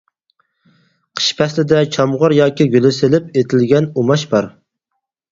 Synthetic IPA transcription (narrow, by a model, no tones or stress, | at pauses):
qʰə̥ʃpʰɛslɪd̪ɛt͡ʃʰɑmʁɑɾjɑːkʲiɡʲølɪsɪlɪpet̪ʰɪlɡʲɛnumɑʃbɑɾ